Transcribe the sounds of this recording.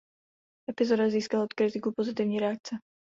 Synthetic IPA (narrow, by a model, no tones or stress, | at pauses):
ɛpizɔd̪aziːskalɔt̪kɾit̪ikupɔzit̪iːʊɲiɾɛak̚t͡sɛ